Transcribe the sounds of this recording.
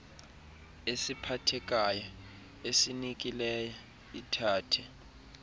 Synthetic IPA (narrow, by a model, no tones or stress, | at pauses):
esipʰatʰɛk̬ʼajɔ | esinik̬ʼilɛja | itʰaːtʰɛ